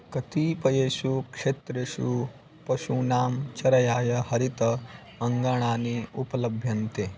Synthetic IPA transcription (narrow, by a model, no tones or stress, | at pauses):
kɐt̪iːpɐjeːʃukʂeːt̪ɾeʃu | pɐʃunaːmt͡ʃɐɾɐjaːjɐhɐɾit̪ɐ | ɐŋɡaɳ̃aːniupɐlɐbʱjɐnt̪e